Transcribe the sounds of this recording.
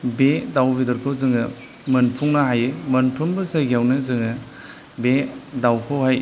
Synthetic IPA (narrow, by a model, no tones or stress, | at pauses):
bedawbidɔɾkʰɯwzɯŋɯ | mɯnpʰuŋnaɦajemɐnpʰuŋbɯsajɡijawnɯzɯŋɯ | bedawkʰowhaj